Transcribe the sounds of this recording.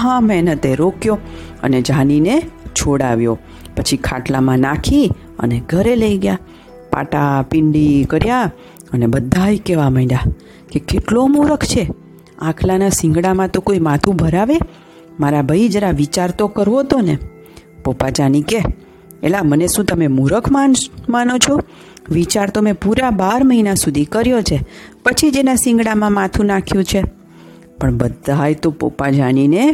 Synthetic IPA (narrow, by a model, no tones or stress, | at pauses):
ɦãmɛnət̪eɾokjoə̰ned͡ʒaninet͡ʃʰoɽaʋjo | pət͡ʃʰikʰa̰ʈlamãnakʰi | ə̰neɡʱəɾeləiɡja | pa̰ʈapɪɳɖikəɾja | ənebəd̪ʱːajkeʋaməina | kekeʈlomuɾəkʰt͡ʃʰe | ãkʰlanasɪ̃ŋɡɽamãt̪okoimãt̪ʰũbʱəɾaʋe | maɾabʱəid͡ʒəɾaʋit͡ʃaɾt̪okəɾʋot̪onḛ | popad͡ʒanike | ḛlaməneʃũt̪əmemuɾəkʰmamanot͡ʃʰo | ʋit͡ʃaɾt̪omẽpuɾabaɾməinasud̪ʱikəɾjot͡ʃʰepət͡ʃʰid͡ʒenasɪ̃ŋɡɽamãmãt̪ʰũnakʰjũt͡ʃʰe | pəɳbəd̪ʱajt̪opo̰pad͡ʒanine